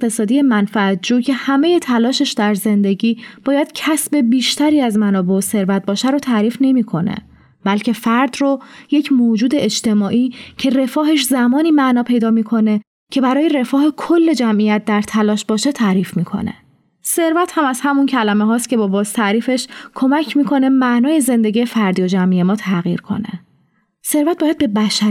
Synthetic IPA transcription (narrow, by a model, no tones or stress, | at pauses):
eqt̪ʰe̞sɒːd̪ijemænfææt̪̚d͡ʒuːcʰe̞hæmeje̞t̪ʰælɒːʃe̞ʃd̪æɾze̞nd̪e̞ɟiːb̥ɒːjæd̪̥cʰæsbe̞biːʃt̪ʰæɾiːæzmænɒːbe̞ose̞ɾvæt̪̚bɒːʃæɾot̪ʰæːɾiːfne̞miːkʰo̞nḛ | b̥ælcʰe̞fæɾd̪roje̞cʰmoːd͡ʒuːd̪e̞ed͡ʒt̪e̞mɒːʔiːcʰe̞re̞fɒːɦe̞ʃzæmɒːniːmæʔnɒːpʰe̞jd̪ɒːmiːkʰo̞ne̞ | cʰe̞bæɾɒːje̞ɾe̞fɒːhekʰolːe̞d͡ʒæmʔijæt̪̚d̪æɾt̪ʰælɒːʃbɒːʃet̪ʰæːɾiːfmiːkʰo̞̰nḛ | se̞ɾvæt̪hæmæz̥hæmuncʰælæmeɦɒːst̪cʰʲe̞bɒːbɒːzt̪ʰæɾiːfe̞ʃkʰo̞mæcʰmiːkʰo̞ne̞mæʔnɒːje̞ze̞nd̪eɟijefæɾd̪iːod͡ʒæmʔije̞mɒːt̪ʰæɣḭːɾkʰo̞̰nḛ | se̞ɾvæt̪̚b̥ɒːjæd̪̚be̞bæʃæ